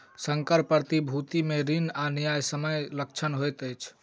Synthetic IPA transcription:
səŋkəɾpəɾt̪ibʱut̪imeɾinanijajsəməjlək̚t͡ʃʰənɦojt̪əjt͡ʃʰ

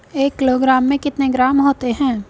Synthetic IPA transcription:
eːkːɪloːɡɾaːmːẽkɪt̪neɡɾaːmɦoːt̪eɦɛ̃ː

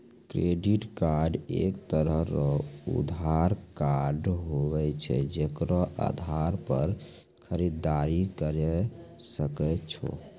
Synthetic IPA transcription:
kɾeɖiʈkaɾɖekt̪əɾəɦɾɔṵd̪ʱaɾkaɾɖɦobɛt͡ʃʰɛ̰d͡ʒekɾɔʔa̰d̪ʱaɾpəɾ | kʰəɾid̪ːaɾikəɾɛsəkɛt͡ʃʰɔ̰

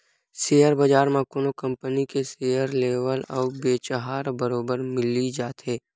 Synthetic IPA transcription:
sejəɾbɐd͡ʒaːɾmãkʊnokə̃mpənikesejəɾleːwəlɔːbeːt͡ʃəɦaːɾbəɾoːbəɾmɪlid͡ʒaːt̪ɦeː

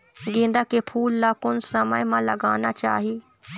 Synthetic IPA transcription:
ɡɪ̃ːnd̪akepʰuːlːakʊnsəməjmãləɡaːnat͡ʃa̰ːɦi

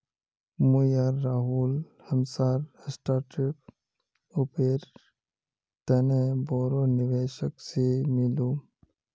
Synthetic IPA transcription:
mujaːɾːaːɦuːl | həmsaːɾɪsʈaːɾʈɾɪp̚ | opeːɾ | t̪ɐnebɔːɾoːnɪʋeːʃəksemɪluː

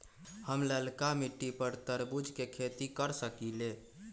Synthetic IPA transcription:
həmləlkamiʈːipəɾt̪əɾbud͡ʒʱkekʰet̪ikəɾsəkile

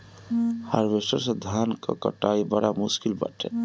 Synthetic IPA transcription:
ha̰ɾʋesəɾsed̪ʱaːnka̰kə̰ʈaːibəɽamʊʃkɪlbə̰ʈʰɛ̰

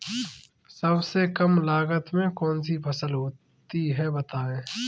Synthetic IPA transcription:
səbsekɐmlaːɡət̪mẽkɔːns̬ipʰɐsəlɦoː | t̪iɦɛbɐt̪aːẽː

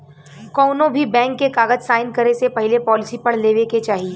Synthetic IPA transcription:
kɔːnõbʱibɛ̃ːŋkːekaːɡəd͡ʒsaːɪnkɐɾesepɐɦɪlepɔːlɪsipɐɽ̤leːʋeket͡ʃaːɦie

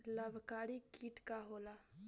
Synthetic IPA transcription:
ləbʱkaːɽikiːʈkaɦoːlaː

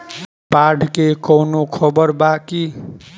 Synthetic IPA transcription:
paɖʱkekʌwnokʰʌbʌrbaki

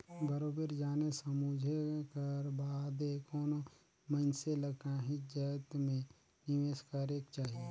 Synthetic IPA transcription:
bəɾoːbəɾd͡ʒaːnesəmud͡ʒʱekəɾbaːd̪ekɔːno | məɪnseləɡaɦid͡ʒət̪mẽ | nɪʋeːskaːɾeːkt͡ʃaːɦieː

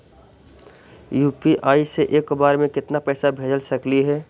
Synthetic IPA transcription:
juːpiʔaːiseʔeːkbaːɾmẽkɪt̪napɛːsabʱeːd͡ʒəlsəkliɦɛː

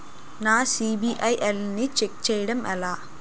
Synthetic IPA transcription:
naːsiːbiʔɐjʔelnit͡ʃek̚t͡ʃɛːjɐɽɐmɐlaː

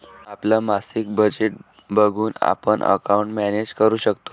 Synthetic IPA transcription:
aplamasik̚bəd͡ʑeʈ̚ | bəɡʱuːna̰pəɳʔə̰kaũɳʈmæned͡ʑkəɾuːɕəkt̪o̥

